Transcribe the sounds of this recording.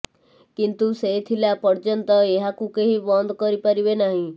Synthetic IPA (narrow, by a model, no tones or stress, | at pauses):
kint̪uset̪ʰilapəɾd͡ʒənt̪ɔeɦakũkeɦĩbɔnd̪kəɾipaɾibenaɦĩ